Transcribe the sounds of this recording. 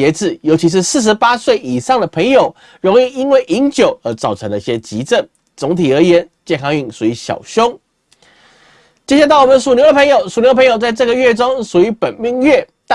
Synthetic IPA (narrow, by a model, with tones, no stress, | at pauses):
ɛ˧˥t͡sɹ̩˨˩jo˧˥ʊt͡ɕʰi˧˥ʂ̬ɻ̩˥˧sɹ̩˥˩ʂ̬ɻ̩˧˥pa˥swe˥˩ɪi˨˩ʂɑ˥˩ŋd̪ə˩pʰə˧˥ŋjo˨˩ʊ | ɻʊ˧˥ŋi˥˧i˥nwe˥˩ɪʔi˧˥ŋt͡ɕjo˨˩ʊə˞˧˥t͡sɑ˨˩ʊʈ͡ʂʰɤ˧˥ŋd̪ə˧i˥˧˩ɕjɛ˥t͡ɕi˧˥t͡sə˥˩ŋ | t͡sʊ˧˥ŋt̪ʰi˨˩ə˞˧˥jɛ˧˥nt͡ɕjɛ˥˩nŋkʰɑ˧˥ŋy˧˩ŋsu˨˩i˧˥ɕjɑ̰˨˩ʊɕjʊ˥ŋ | t͡ɕjɛ˥ɕja˥˧t̪ɑ˥˩ʊwɔ˨˩mə˦nsu˨˩njo˥ʊd̪ə˧pʰə˧˥ŋjo˨˩ʊsu˨˩njo˥dəpʰŋjo˨˩ʊt͡sa˥˧ɪʈ͡ʂɤ˥˩ɡə˧ɥɛ˥˩ʈ͡ʂʊ˥ŋʂu˨˩y˧˥pə˨˩nmi˥˧ŋɥɛ˥˩t̪